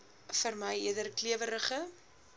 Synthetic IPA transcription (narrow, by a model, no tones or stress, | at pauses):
fərməjiədərkliəvəɾəχə